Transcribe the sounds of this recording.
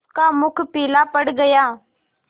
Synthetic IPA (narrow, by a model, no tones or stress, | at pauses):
kaːmʊkʰpiːlaːpəɽɡəjaː